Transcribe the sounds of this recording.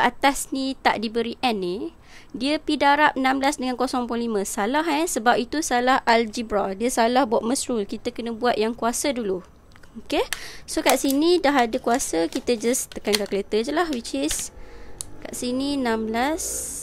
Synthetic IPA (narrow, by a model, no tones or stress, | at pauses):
at̪asnit̪a̰ʔdibəɾiʔɛni | diəpidaɾap̚ənãmblasdəŋankosɔŋpɔlimə̃salaɦɛsəbapit̪usalahʔald͡ʒibɾadiəsalahbuaʔ̚mə̃sɾulkit̪əkənə̃buat̪̚jaŋkuasədulu | okesokaʔsinidaɦadəkuasəkit̪əd͡ʒast̪əkankakəlet̪əd͡ʒəlaɦwit͡ʃis | ka̰ʔsinĩənãmblas